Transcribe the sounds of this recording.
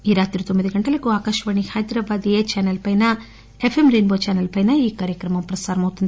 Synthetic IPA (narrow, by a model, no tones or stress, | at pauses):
iːɾaːt̪iɾut̪omːiðuɡɐɳʈɐlɐkːuaːkaːʃɐʋɐɳihɐjd̪ɾɐʋaːd̪ieːt͡ʃaːnɐlpɐjnɐ | efʰemɾinbot͡ʃaːnɐlpɐjnɐiːkaːɾjɐkɾɐmɐmpɾɐsaːɾɐmɐut̪ːund̪